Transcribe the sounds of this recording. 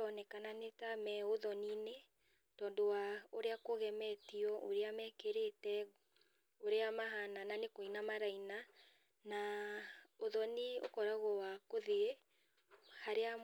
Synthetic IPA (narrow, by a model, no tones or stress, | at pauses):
ɔnɛkananetamɛoðɔnine | tɔːndowaoɾeakoɣɛmɛtiɔʔoɾeamɛkeɾetɛ | oɾeamaɦanananekoinamaɾaina | na | oðɔnio̰kɔɾaɣɔwakoðe | haɾea